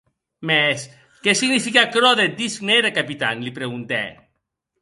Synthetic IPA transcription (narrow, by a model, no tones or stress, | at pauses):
mes | kɛsiɣnifikakɾɔðed̪iskneðekapit̪a̰nlipɾeɣunt̪ɛ̰